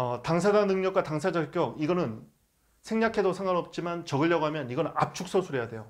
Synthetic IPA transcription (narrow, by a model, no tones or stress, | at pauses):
ʌtaŋsʰad͡ʑaŋnɯŋɲʌk̚wataŋsʰad͡ʑʌk͈jʌk̚iɡʌnɯn | sʰeŋɲakʰe̞dosʰaŋɦaɾʌp̚t͡ɕ͈imant͡ɕʌɡɯɭːʌɡoɦamjʌniɡʌnɯnap̚t͡ɕʰuk̚s͈osʰuɾe̞jadwe̞jo